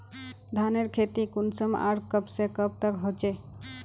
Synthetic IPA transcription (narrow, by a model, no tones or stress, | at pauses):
d̪ʱaneɾkʰet̪ikunsəma̰ɾkəpsekəb̚t̪əkɦot͡ʃe